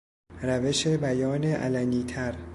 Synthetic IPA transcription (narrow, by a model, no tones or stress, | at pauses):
ɾæve̞ʃe̞bæjɒːneʔæ̰læniːt̪ʰæɾ